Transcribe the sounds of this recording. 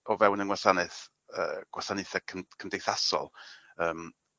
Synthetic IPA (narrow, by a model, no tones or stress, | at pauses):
ɔvɛwnənŋwasanɨθ | ə̰ːɡ̥wasanɪθakʰəmkʰəmdejθasɔ̰lˠəːm